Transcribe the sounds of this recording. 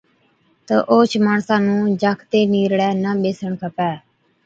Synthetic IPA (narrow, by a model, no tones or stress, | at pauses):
t̪əʔoːt͡ʃʰmaːɳsãːnũːd͡ʒaːkʰt̪eːniːɾɽɛːnəːɓeːsəɳkʰəpɛː